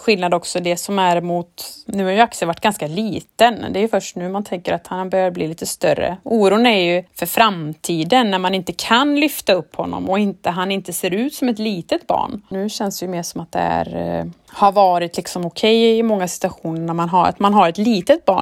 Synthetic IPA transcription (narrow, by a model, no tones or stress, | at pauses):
ɧɪlnad̪ɔksɔd̪ɛsɔmæɾmʊt̪nʉ̟ːhaɾjʉaksəvaʈːɡ̥anskaliːt̪ənd̪ɛæːjɵfœʂʈnʉ̟ːmant̪ʰɛŋkəɾat̪hanbœhbliːliːt̪əst̪œrːə̰uːɾuːənæɾjɵfœɾfɾamt̪ʰiːd̪ənːæɾmanɪnt̪əkʰanlʏft̪aɵpːhɔnːɔ̰mɔɪnt̪əɦanɪnt̪əseːɾʉ̟ːt̪sɔmɛt̪liːt̪ət̪bɑ̰ːɳnʉ̟ːɕɛnsd̪ɛjɵmeːʂɔmat̪̚d̪ɛ̰æ̰ɾhaɾvɑːɾɪt̪lɪksɔmʊkʰɛjɪmɔŋːasɪ̥t̪ɵaɧuːnəɳæɾmanɦaɾa̰t̪manɦaɾɛt̪liːt̪ət̪̚bɑ̰ː